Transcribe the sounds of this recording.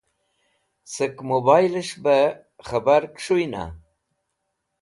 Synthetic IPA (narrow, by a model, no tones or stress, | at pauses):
səkmobɑjləʂba | χabaɾkʂuina̰